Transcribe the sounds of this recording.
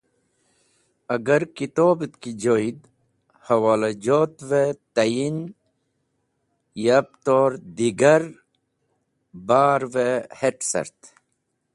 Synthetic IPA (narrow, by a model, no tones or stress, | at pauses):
ɐɡɐɾkit̪oːbit̪kid͡ʑoːid̪ | hɐwaːlad͡ʑoːt̪ʋet̪ɐjin | jɐp̚t̪oːɾd̪iɡɐɾ | baːɾʋeheʈsɐ̰ɾt̪